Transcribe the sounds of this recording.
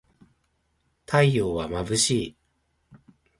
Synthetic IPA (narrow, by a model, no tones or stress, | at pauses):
t̪ʰaijoːβamabɯ̟ɕiː